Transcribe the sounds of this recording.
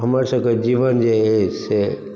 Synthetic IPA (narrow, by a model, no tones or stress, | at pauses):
ɦəməɾsəked͡ʒiʋənd͡ʒeese